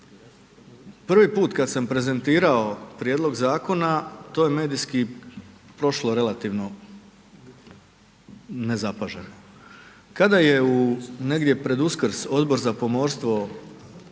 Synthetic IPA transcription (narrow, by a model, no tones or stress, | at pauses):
pr̩ʋipuːt̪kad̪sampɾe̞ze̞nt̪iːɾao̞pɾjed̪lˠo̞ɡzaːko̞nat̪oːjeme̞ːd̪ijski | pɾo̞ʃloɾe̞lˠat̪iʋno̞ | ne̞zapaʒeno | kad̪ajeune̞ɡd̪ʲjepɾe̞d̪uskɾ̩so̞d̪bo̞ɾzapo̞mo̞ɾst̪ʋo̞